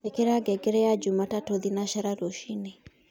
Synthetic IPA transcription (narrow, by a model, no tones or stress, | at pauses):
ekeɾaɡɛɡɛɾɛjad͡ʒumatatoðinaʃaɾaɾoʃine